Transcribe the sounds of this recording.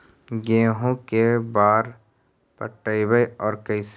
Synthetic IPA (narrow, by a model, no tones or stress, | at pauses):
ɡeːɦõkebaːɾ | pə̰ʈːəibəjɔːɾkəis